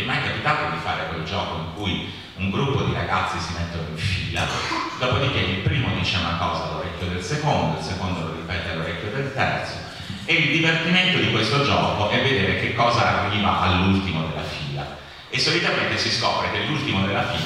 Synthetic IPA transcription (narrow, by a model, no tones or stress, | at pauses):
majkapit̪aːt̪od̪ifa̰ːɾekweld͡ʒɔːkoiŋkuj | uŋɡɾupːod̪iɾa̰ɡat̪sːisimet̪ːonoiɱfiːla̰d̪ɔːpod̪ikːekːilpɾiːmod̪iːt͡ʃeunakɔːzaːlːoɾɛkʲːjod̪elsekond̪oilsekond̪oloripɛːt̪ealːoɾɛkjod̪elt̪ɛ̰rt̪so | eild̪ivert̪iment̪od̪ikwest̪od͡ʒɔ̰ːkoʔɛvːed̪eːɾek̟ekːɔːzaaveɾiːva̰ʔalːult̪imod̪elːa̰fiːla̰ | esːolit̪ament̪esiskɔ̰ːpɾekelːult̪imod̪elːafḭː